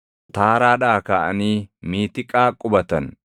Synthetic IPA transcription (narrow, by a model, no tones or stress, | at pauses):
t̪aːɾaːᶑaːkaːʔɐ̰niːmiːt̪ɪkʼaːkʼʊbɐt̪ɐn